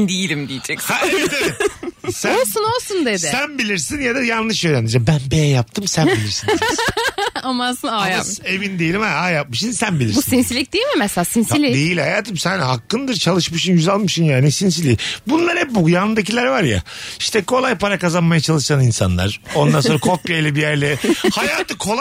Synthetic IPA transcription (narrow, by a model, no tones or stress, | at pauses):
nd̪ijilʲimd̪ijid͡ʒɛkhaevɛt̪abisæolˠsunolˠsund̪ed̪ɪsænbilʲiɾsinjad̪ajanːɯʃøjɾænd̪id͡ʒɛbænbejɛjap̚t̪ʰɯmsænbilʲiɾsin | amasɯnajae̞vind̪ejelʲimhaajap̚mɯʃɯnsænbilʲiɾbussinsilʲic̚d̪ejilʲmimɛselʲaːsinsilʲid̪ejilʲhajaːt̪ʰɯmsænhakːɯnd̪ɯɾt͡ʃʰalˠɯʃmɯʃɯnjyzalˠmɯʃɯnjaːnisins̬ilʲiːbunlˠaɾhɛpbuɡjanɯnd̪ac̬ilʲæɾvaɾja̰ | iʃt̪ʰɛkʰo̞lˠajpaɾakazanmajat͡ʃʰalˠɯʃt̪aninsa̰nlˠa̰ɾ̥o̞nd̪anso̞ɾakʰo̞pjajlʲɛbijæɾlʲɛhajaːt̪ʰɯkʰo̞lˠ